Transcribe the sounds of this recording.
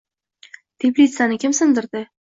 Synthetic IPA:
t̪ʰeplʲit̪sanɪkʲɪmsɪnd̪ɪɾd̪ɪ

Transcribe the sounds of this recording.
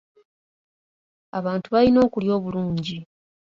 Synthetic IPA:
aβaːntuβalino̞ːkuljo̞ːβuluːɲɟi

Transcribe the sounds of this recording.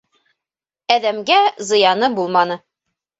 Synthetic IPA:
æðæmɡæzɤ̆jɑnɤbulˠmɑnɤ

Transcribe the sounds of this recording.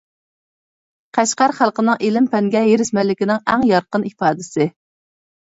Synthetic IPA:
qʰæʃqæɾχælˠqənɨŋelɪmpʰɛŋɡʲɛjeɾɪʃmɛlːɪkʲinɪŋɛŋjɑɾqənipɑːd̪ɪsɪ

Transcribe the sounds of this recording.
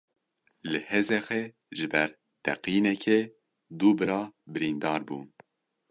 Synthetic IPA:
lɨhezɛxɛ | ʒɨbɛɾ | t̪ʰɛ̰qiːnɛkʰe | d̪uːbɨɾɑːbɨɾiːnd̪ɑːɾbṵː

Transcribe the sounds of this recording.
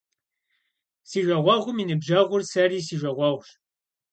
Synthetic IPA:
siːʒʷɐʁʷɐʁʷʊminɨbʒɐʁʷʊrsɐriːsiːʒʷɐʁʷɐːʁʷʃ

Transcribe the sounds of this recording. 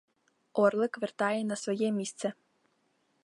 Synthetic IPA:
ɔrlˠɪkʋɛrt̪ɑjɛnɐsʋɔjɛmʲist̪sɛ

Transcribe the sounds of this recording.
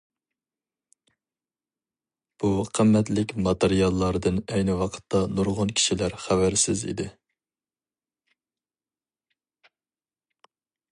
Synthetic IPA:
b̥uqʰəmːɛt̪lɪkʲmɑt̪eɾijɑlˠːɑɾɨd̪ɨnɛjnɪwɑqʰə̥t̪ʰːɑnuɾʁʊnkʲʰi̥ʃilæɾχævæɾsɪzḭd̪ɪ

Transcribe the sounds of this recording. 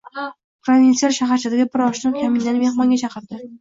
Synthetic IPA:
pʰɾovʲint̪sijalʃaɦaɾt͡ʃʰad̪aɡʲabɪɾɒʃnɪkʲʰamɪnd̪anme̞hmɒŋɡʲat͡ʃʰɑqʰɨɾd̪ɪ

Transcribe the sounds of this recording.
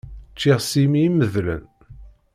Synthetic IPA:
t͡ʃːiʁsimiməðlə̰n

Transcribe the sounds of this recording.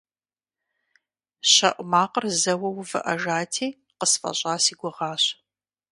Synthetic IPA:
ɕɐ̰ʔʷmaːqərzɐwɐwvɨ̰ʔɐʒaːtʰiː | qəsfɐ̰ɕʼaːsiːɡʷɔʁɑːɕ

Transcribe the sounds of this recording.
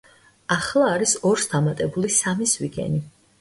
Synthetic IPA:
aχlˠaːɾisɔɾsd̪amat̪ʼɛbulisamisviɡɛ̰ni

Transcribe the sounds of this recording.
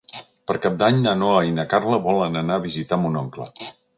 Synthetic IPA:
pəɾkap̚d̪aɲnənoəinəkaɾləβɔlənənaβizit̪amunɔŋklə̰

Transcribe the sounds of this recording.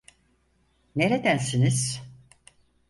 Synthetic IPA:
ne̞ɾed̪ænsiniz̥

